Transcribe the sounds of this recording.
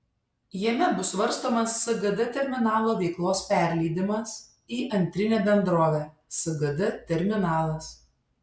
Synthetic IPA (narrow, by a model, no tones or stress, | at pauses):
jimʲɛbʊsʋɐɾˑst̪oːmɐsːɐɡɐd̪ɐt̪ʲɛɾʲmʲɪnɑːlˠoːʋʲɛɪklˠoːspʲæˑɾʲlʲɛɪd̪ʲɪmɐs | iːʔɐnʲt̪ʲɾʲɪnʲeːbʲɛnd̪ɾoːʋʲæː | sɐɡɐd̪ɐt̪ʲɛɾʲmʲɪnɑːlˠɐs